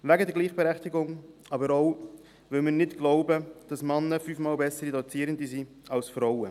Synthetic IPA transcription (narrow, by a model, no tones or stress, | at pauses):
væɡədɛɾɡliːχb̥ɛɾɛχtɪɡʊŋ | ɑːbəɾoʊ | vɪlmɪːnɪtɡ̥lɔʊbəd̥ɑsmɑnːəfyːfmɑːlbɛsəɾidɔt͡siːɾəndisi | ɑlsfɾɔwə